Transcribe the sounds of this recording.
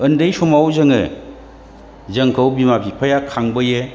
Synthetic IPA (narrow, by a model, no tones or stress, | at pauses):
ɯndɯjsɔmawzɐŋɯ̰ | zɐŋkʰawbimapʰipʰajakʰaŋbɯjɯ